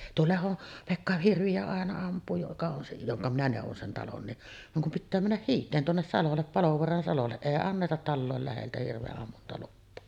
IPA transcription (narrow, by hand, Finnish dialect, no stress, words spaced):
tuo lehon pekːɑ hirʋiæ ɑˑenɑ ɑmpˑuː jokɑ on se joŋkɑ minæ neˑuʋon sen tɑlon niʔ ʋɑŋ kum pitːæː mænːæh hiːtˑeːn tuonːes sɑlolːep pɑloʋoɑrɑn sɑlolːe eˑi ɑnːetɑt tɑlːoˑel læheltæ hirʋeʔːɑmːuntɑlupːoː